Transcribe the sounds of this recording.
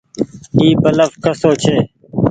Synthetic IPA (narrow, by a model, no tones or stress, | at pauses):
iːbələfkəsoːt͡ʃʰeː